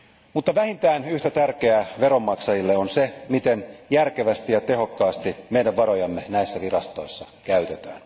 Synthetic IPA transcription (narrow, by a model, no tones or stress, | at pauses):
mut̪ːɑʋæhint̪æːnyht̪æt̪ærke̞æʋeɾo̞mːɑksɑjilːeonsemit̪enjærkeʋæst̪ijɑt̪e̞ɦo̞kːɑːst̪imeidæʋʋɑɾo̞jɑmːenæisːæʋirɑst̪o̞isːɑ | kæyt̪et̪æ̰ːn